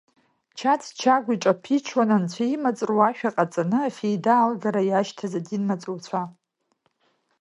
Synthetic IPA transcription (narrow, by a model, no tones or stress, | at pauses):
t͡ʃʰatʰt͡ʃʰaɡʷiʈ͡ʂʼapʰit͡ʃʰwanant͡ɕʷʰaimat͡sʼrwaʃᶣaqʼat͡sʼanɨafejdaːlɡaɾajaʃtʰazadinmat͡sʼowt͡sʷʰa